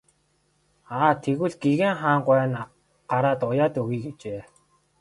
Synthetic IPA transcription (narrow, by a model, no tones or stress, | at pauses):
aːt̪ʰeɣɘ̆ɮɡeɣeːŋχaːɴɢwæːn | ɢ̥aɾaːt̪ʊjaːt̪ɵɣiːɣit͡ɕeː